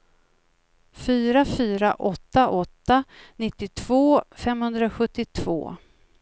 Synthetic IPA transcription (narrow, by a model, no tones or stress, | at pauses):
fyːɾafyːɾaʔɔt̪ːaʔɔt̪ːanɪt̪ːɪt̪ʰv̥oːfɛmhɵnd̪ɾaɧɵt̪ːɪt̪ʰv̥o̰ː